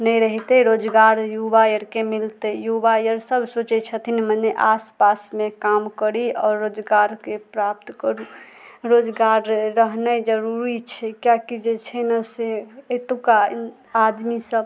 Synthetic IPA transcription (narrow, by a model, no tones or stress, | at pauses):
nəjɾəɦit̪ɛɾod͡ʒɡaɾjubajəɾkemilt̪əjubajəɾsəbʱsot͡ʃɛt͡ʃʰət̪ʰinməneʔaspasmekamkəɾiɔːɾːod͡ʒɡaɾkepɾap̚t̪kəɾu | ɾod͡ʒɡaɾːəɦnəd͡ʒəɾuɾit͡ʃʰɛkjakid͡ʒet͡ʃʰɛnaseət̪uka | ad̪misəb